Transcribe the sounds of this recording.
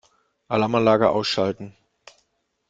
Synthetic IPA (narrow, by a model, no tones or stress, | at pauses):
ʔalaːmanlaːɡɐʔa̰ʊsʃaltn̩